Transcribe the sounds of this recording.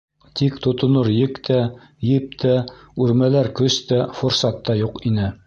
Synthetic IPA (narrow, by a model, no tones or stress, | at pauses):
t̪ikt̪ŏt̪ŏnoɾjɘkt̪ʰæ | jɘp̚t̪ʰæʉɾmælæɾkɵst̪æfŏɾsɑt̪ːɑjuqinɘ